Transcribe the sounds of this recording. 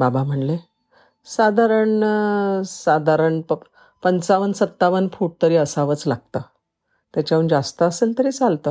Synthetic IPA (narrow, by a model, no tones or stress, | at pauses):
babam̤əɳle | sad̪ʱaɾəɳ | sad̪ʱaɾəɳpə | pənt͡saʋənsət̪ːaʋənfuʈ̚t̪əɾiːəsaʋət͡slaɡ̚t̪ə | t̪jat͡ɕjaəɳd͡zast̪əːsənt̪əɾiːt͡salt̪ə